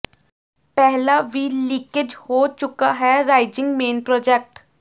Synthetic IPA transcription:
pɛɦlabilɪ̃kɪd͡ʒhoːt͡ʃʊkaɦɛɾaːɪd͡ʒɪ̃ŋɡmeːnpɾɔːd͡ʒɛk̚ʈ

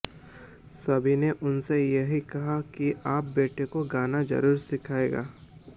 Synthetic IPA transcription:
sɐbʱineʔʊnsejɐɦikɐɦakiʔaːp̚beːʈʰekoɡaːnad͡ʒɐ̰ɾuːɾsɪkʰaːeːɡa̰ː

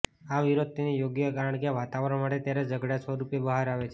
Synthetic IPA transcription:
aʋiɾod̪̚t̪ːenijoɡjəkaɾəɳkjaʋat̪aʋəɾəɳmaʈet̪jaɾed͡ʒəɡɽasoɾupjebəɦaɾaʋet͡ʃʰe

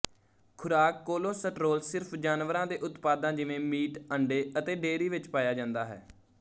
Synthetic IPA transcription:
kʰʊɾaːkːoːloːsəʈɾoːlsɪɾpʰd͡ʒaːnʋəɾãːd̪eːʔʊt̪paːd̪ãːd͡ʒɪʋẽːmiːʈəɳɖeːət̪eːɖeːɾiːʋɪt͡ʃpaːjaːd͡ʒãːnd̪aːɦɛ̰ː

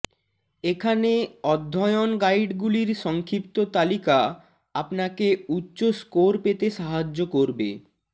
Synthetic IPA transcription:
ekʰaneɔd̪ʱːɔeonɡajɖɡuliɾʃɔŋkʰɾipt̪ot̪alika | apnakeutːɕoskoɾpet̪eʃaɦad͡ʑːokoɾbḛ

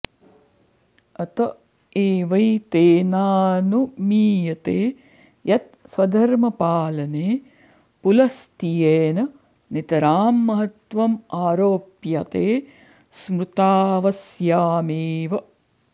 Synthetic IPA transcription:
ɐt̪ɐ | eːʋɐjt̪eːnaːnumiːjɐt̪eː | jɐt̪̚sʋɐd̪ʱɐɾmɐpaːlɐneː | pulɐst̪ijeːnɐ | nit̪ɐɾaːmːɐɦɐt̪ʋɐmaːɾoːpjɐt̪eː | smɾut̪aːʋɐsjaːmeːʋɐ

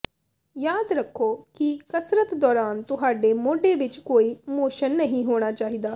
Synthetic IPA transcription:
jaːd̪ɾəkʰːoːkɪkəsɾət̪d̪ɔːɾaːnt̪ʊɦaːɖeːmoːɖeːʋɪt͡ʃkoːiːmoːʃənːəɦĩːɦoːɽ̃aːt͡ʃaːɦiːd̪aː

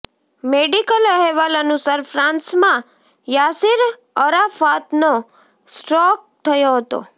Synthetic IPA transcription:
meɖikələɦɛʋalənũsəɾfʰɾãnsmã | jasiɾ | əɾafat̪no | sʈɾɔk̚t̪ʰəjoɦət̪o̰

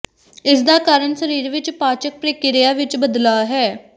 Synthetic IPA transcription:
ɪsd̪aːkaːɾəɳsəɾiːɾʋɪt͡ʃpaːt͡ʃək̚pɾeːkɪɾɪjaːʋɪt͡ʃbəd̪laːɦɛː

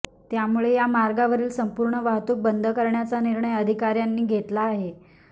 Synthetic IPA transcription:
t̪jamuɭejamaɾɡaʋəɾiːlsəmpuːɾɳəʋaɦt̪uːk̚bənd̪ʱəkəɾɳjat͡saniɾɳəjəd̪ʱikaɾjanːiːɡʱet̪laːɦe

